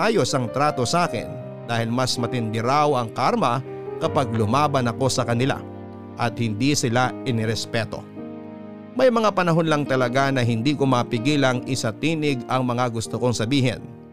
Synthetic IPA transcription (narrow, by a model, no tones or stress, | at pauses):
ʔaːjo̞sɐŋt̪ɾaːt̪o̞sɐaːkɪ̰n | d̪aːhɪlmɐsmɐt̪ɪnd̪ɪɾawɐŋkaɾmɐ | kɐpaɡ̚lʊmaːbɐnɐko̞sɐkɐnɪla̰ | ʔɐt̪̚hɪnd̪isɪlaʔɪnɪɾɛspɛt̪o̞̰ | mɐjmɐŋapɐnɐɦo̞nlɐŋt̪ɐlɐɡanɐɦɪnd̪iːkomaːpɪɡiːlɐŋʔɪsɐt̪iːnɪɡɐŋmɐŋaɡʊst̪oko̞ŋsɐbiːɦɛ̰n